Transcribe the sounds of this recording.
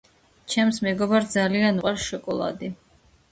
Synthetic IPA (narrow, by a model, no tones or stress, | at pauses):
t͡ʃʰɛmsmɛɡɔbaɾd̪zalianuqʼaɾʃɔkʼɔlˠa̰d̪i